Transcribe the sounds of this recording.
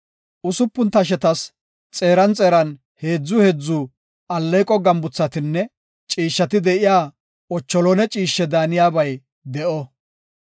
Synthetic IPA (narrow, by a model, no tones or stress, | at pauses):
ʔʊsʊpːʊnt̪ɐʃ̬ɛt̪ɐs | t͡sʼe̞ːɾɐnt͡sʼeːɾɐn | he̞ːd͡zːʊhɛd͡zːʊ | ɐlːɛjkʼɔɡɐmbʊt͡sːɐt̪ɪnːɛ | t͡ʃʼiːʃːɐt̪ɪd̪ɛʔɪjaː | ɔt͡ʃːɔlɔnɛt͡ʃʼiːʃːɛd̪aːnɪjaːbɐj | d̪ɛʔɔ